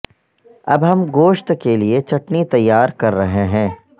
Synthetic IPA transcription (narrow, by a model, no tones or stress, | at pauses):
ɐ̰bɦɐmɡoːʃt̪keliet͡ʃɐʈnit̪ɐjːaːɾkɐɾːɐɦeɦɛ̃ː